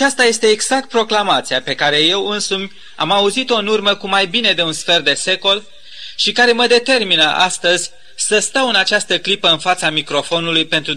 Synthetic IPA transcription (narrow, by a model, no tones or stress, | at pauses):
at͡ʃast̪aje̞st̪e̞ːɡz̥ak̚t̪̚pɾo̞klamat̪siape̞kaɾe̞je̞wɨnsumʲ | a̰mauzit̪o̞ɨnurməkumajbine̞d̪e̞unsfe̞rd̪e̞se̞ko̞l | ʃikaɾe̞məd̪e̞t̪e̞rminəʔa̰st̪əzʲ | səst̪awɨnat͡ʃast̪əklipəɨnfat̪samikɾo̞fo̞nulujpe̞nt̪ɾu